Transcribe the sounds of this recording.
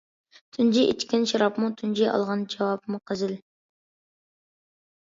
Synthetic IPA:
t̪ʰynd͡ʒiʔḛt͡ʃkʲɪnʃɑɾɑpmut̪ʰynd͡ʒiʔɑ̰lˠʁɑnd͡ʒɑwɑp̚muqʰɨzɪl

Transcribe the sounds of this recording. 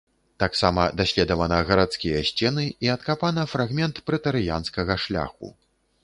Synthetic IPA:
t̪aksamɐd̪aɕʲlʲɛd̪ɐvɐnɐɣɐɾat̪skʲijɐɕʲt͡sʲɛnɨiɐt̪kapanɐfɾaɣmʲɛnt̪pɾɛt̪ɐɾɨja̰nskɐɣɐʂlʲa̰xṵ

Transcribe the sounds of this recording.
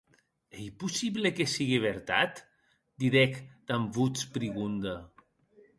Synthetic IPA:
ejpusiβlekesiɣiβeɾt̪a̰t̪ | d̪iɾɛkd̪̥ambut͡spɾiɣund̪a

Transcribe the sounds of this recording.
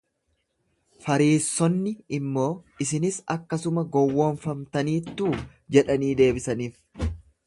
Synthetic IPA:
fɐɾiːsːɔnːɪɪmːo̞ːɪsɪnɪsɐkːɐsʊmɐɡɔwːoːnfɐmt̪ɐniːt̪ːuː | d͡ʒɛᶑɐniːd̪e̞ːbɪsɐniːf

